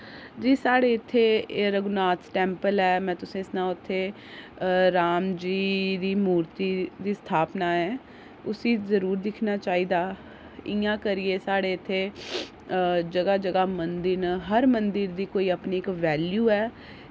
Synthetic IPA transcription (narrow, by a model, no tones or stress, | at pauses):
d͡ʒiːsaːɽeːɪt̪ʰːeːɾəɡnaːt̪ʈɛ̃ːmpəlɛːmɛ̃ːt̪ʊsẽːɪsnãːʊt̪ʰːeː | ɾaːmd͡ʒiːd̪iːmuːɾt̪iːd̪iːst̪ʰaːpnaːɛː | ʊsiːzəɾuːɾd̪ɪkʰnaːt͡ʃaːiːd̪aː | ɪjãːkəɾɪeːsaːɽeːɪt̪ʰːeː | d͡ʒəɡaːd͡ʒəɡaːmənd̪ɪɾnəɦəɾmənd̪ɪɾd̪iːkoːiːəpniːɪkʋɛːljuːɛː